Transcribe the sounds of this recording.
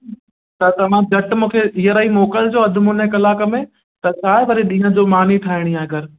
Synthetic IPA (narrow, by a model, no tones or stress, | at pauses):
t̪ɐt̪ɐʋ̤ãd͡ʑɐʈmũːkʰeʔiɦəɾaimoːkəld͡ʑoːɐd̪ʱʊmuːnɛ̃kɐlaːkə̆mẽ | t̪ɐt͡ɕʰaːɦɪʋɐɾiɗĩːɦə̃d͡ʑomaːn̤iʈʰaːɦɪɽ̃iaːɡəɾ